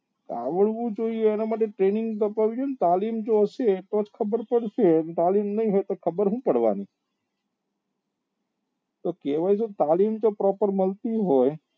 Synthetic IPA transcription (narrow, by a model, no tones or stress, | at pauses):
ka̰ʋəɽʋũd͡ʒoieːnamaʈ̬eʈɾenɪŋɡt̪əpaʋid͡ʒoenet̪alimd͡ʒoəʃet̪ot͡ʃkʰəbəɾpəɽʃent̪alimnəĩɦojt̪okʰəbəɾɦũpəɽʋa̰ni | t̪okɛʋajsot̪alimd͡ʒopɾɔpəɾməlt̪iɦoj